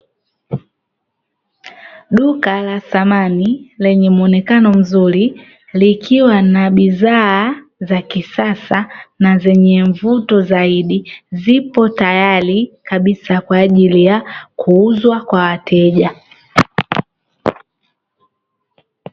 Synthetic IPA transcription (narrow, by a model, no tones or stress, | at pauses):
ɗukalasamanilɛɲɛmuɔnɛkanɔm̩zuɾi | likʰiwanaɓizaː | zakisasanazɛɲɛɱvutɔzaiɗizipɔtajalikaɓisakwaːʄilijakʰuuzwakwawatʰɛʄa